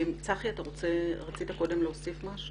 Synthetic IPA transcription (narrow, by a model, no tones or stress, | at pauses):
imt͡saχiataʁo̞t͡se̞ʁat͡sit̪ako̞de̞mleosifmaʃu